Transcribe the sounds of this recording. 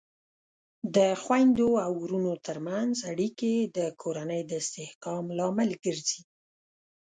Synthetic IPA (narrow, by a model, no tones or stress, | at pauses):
d̪əxwajnd̪oawuɾunot̪əɾmanzaɽiked̪əkʰoɾanəjd̪əɪst̪ɪhkɑmlɑmɪlɡəɾzi